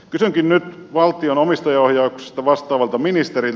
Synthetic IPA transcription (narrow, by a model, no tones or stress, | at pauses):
kysyŋkinnyt̪ʋɑlt̪ːˑionomist̪ɑjɑohjɑukse̥st̪ɑʋɑst̪ˑɑːʋɑlt̪ɑminist̪eril